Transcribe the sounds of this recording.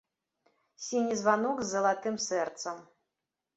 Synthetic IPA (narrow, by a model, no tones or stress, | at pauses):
sʲinʲizvanɔɡzːɐlˠat̪ɨmsɛrt̪sɐm